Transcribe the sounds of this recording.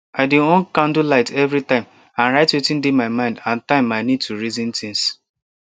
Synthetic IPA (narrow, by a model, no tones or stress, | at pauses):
aɪdɪɔ̃nkãn̩dulaɪtʰɛvɾitãɪ̃m | ãnɾaɪtwetɪ̃n̩demaɪmãɪ̃ndãn̩tãɪ̃maɪnid̚tʰuɾizĩn̩tʰĩns